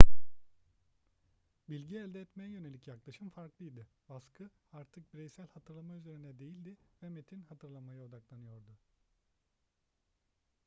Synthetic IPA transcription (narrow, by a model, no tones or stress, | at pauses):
bilʲɟiɛlʲd̪ɛːt̪mejɛjø̞ne̞lʲicjaklˠaʃɯmfaɾklˠɯjd̪ɪbaskʰɯ | aɾt̪ʰɯk̚biɾɛjsælʲhat̪ʰɯɾlˠamayze̞ɾind̪ɛd̪e̞jilʲd̪ɪvɛmet̪ʰinhat̪ʰɯɾlˠamajao̞d̪aklˠanɯjo̞ɾd̪ʊ